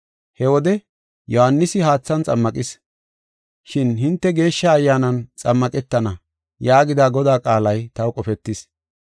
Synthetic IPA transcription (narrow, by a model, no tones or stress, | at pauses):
hɛwɔd̪ɛ | jɔhɐnːɪsɪhaːt͡sːɐnt͡sʼɐ̰mːɐkʼɪs | ʃɪnɦɪnt̪ːɛɡe̞ːʃːɐːjːaːnɐnt͡sʼɐmːɐkʼɛt̪ːɐnɐ | jaːɡɪd̪aːɡɔd̪aːkʼaːlɐjt̪ɐwkʼɔfɛt̪ːɪs